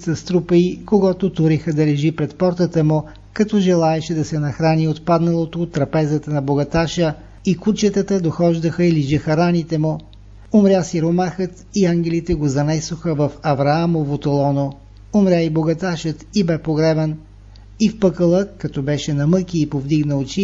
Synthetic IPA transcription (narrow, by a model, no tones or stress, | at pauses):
sɐst̪ɾupəikoɡɔt̪ot̪ʊɾixəd̪ɐlɛʒipɾɛt̪pɔɾt̪ət̪əmʊ | kɐt̪ɔʒɛlˠaɛʃɛd̪ɐsɛnɐxɾaniot̪pad̪nɐlˠot̪oːt̪ːɾɐpɛzət̪ənɐboɡɐt̪aʃə | ikut͡ʃət̪ət̪əd̪oxɔʒd̪əxəiliʒɐxɐɾanit̪ɛmʊ | omɾʲjasiɾomaxət̪iaŋɡʲɛlit̪ɛɡozɐnɛsoxəvɐfɐvɾɐamovot̪olˠɔno | omɾʲjaiboɡɐt̪aʃət̪ibɛpoɡɾɛbɛn | ifpɤkəlˠəkɐt̪ɔbɛʃɛnɐmɤkʲiːpovd̪iɡnəot͡ʃi